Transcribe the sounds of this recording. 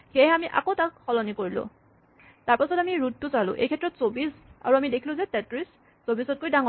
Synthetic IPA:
xeɦɛamiʔa̰kotakxɔlɔnikoɹilʊ̰̃ | taɹpasɔtamiɹut̚tːʊsalʊ̰̃ʔḛjkʰɛtːɹɔtsobisa̰ɹuamidekʰilʊ̃zɛtɛtɹis | sobisɔt̚kojdaŋɔ

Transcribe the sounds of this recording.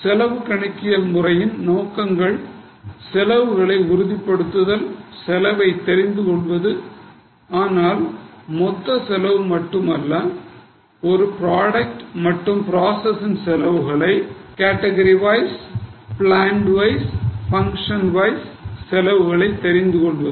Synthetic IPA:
sɛlɐʋɯkɐɳɐkːɪjɐlmʊrɐjɪnnoːkːɐŋɡɐɭ | sɛlɐʋɯɣɐɭɐɪʊɾʊðipːɐɽɯt̪ːɯðɐlsɛlɐʋɐɪt̪ːɛɾɪnd̪ɯkɔɭʋɐðɯ | aːnaːlmɔt̪ːɐsɛlɐʋɯmɐʈːɯmɐlːɐ | ɔɾɯpɪɾaːɽɐk̚ʈmɐʈːɯmpɾaːsɐsɪnsɛlɐʋɯɣɐɭɐɪkaːʈːɐɣɐɾiʋɐɪspɭaːɳɖʋɐɪsfɐŋkʂɐnʋɐɪsːɛlɐʋɯɣɐɭɐɪt̪ːɛɾɪnd̪ɯkɔɭʋɐðɯ

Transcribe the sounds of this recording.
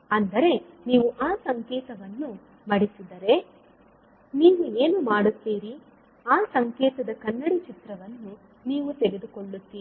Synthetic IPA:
ɐnd̪ɐɾe̞niːʋuʔaːsɐŋkɛːt̪ɐʋɐnːu | mɐɽisid̪ɐɾe̞ | niːʋueːnumaːɽut̪ːiːɾi | aːsɐŋkɛːt̪ɐd̪ɐkɐnːɐɽit͡ʃit̪ɾɐʋɐnːu | niːʋut̪eɡe̞d̪uko̞ɭːut̪ːiːi

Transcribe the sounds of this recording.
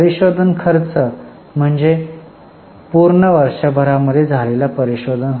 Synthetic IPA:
əɾiɕod̪ʱənkʰəɾt͡sə | m̤əɳd͡ze | puɾɳəʋəɾʂabʱəɾaməd̪ʱːjed͡zʱalelapəɾiɕod̪ʱənɦ

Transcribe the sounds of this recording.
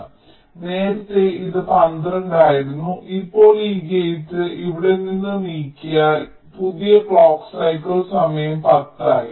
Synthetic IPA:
ne̞ːɾɐt̪ːeiðɨpɐnd̪rɐɳɖaːjiɾunːuʔipːo̞ːɭiːkejit̪ːɨʔiʋiɽe̞ninːɨniːkʲːija | puðijɐkɭoːksɐjkːɐɭsɐmɐjɐmpɐt̪ːaːjḭ

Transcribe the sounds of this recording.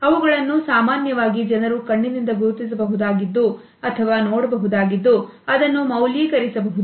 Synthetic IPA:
ɐʋuɡɐɭɐnːusaːmaːnjɐʋaːɡid͡ʒɐnɐɾukɐɳːinind̪ɐɡuɾut̪is̬ɐbɐɦud̪aːɡid̪ːu | ɐt̪ʰɐʋaːnoːɽɐbɐɦud̪aːɡid̪ːu | ɐd̪ɐnːumɐwliːkɐɾisɐbɐɦud̪u

